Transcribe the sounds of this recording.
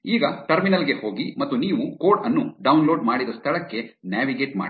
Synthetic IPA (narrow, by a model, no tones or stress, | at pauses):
iːɡɐʈɐɾminɐlɡe̞hoːɡimɐt̪ːuniːʋukoːɖɐnːuɖɐwnlo̞ːɖmaːɽid̪ɐst̪ʰɐɭɐkːe̞njaːʋiɡeːʈma̰ː